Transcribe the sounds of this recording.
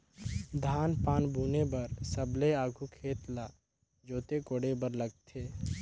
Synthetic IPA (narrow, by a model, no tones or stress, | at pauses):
d̪ʱaːnpaːnbʱuːnebəɾsəbleaːɡʱukʰeːt̪laː | d͡ʒoːt̪ekoːɽebəɾləɡ̚t̪ʰeː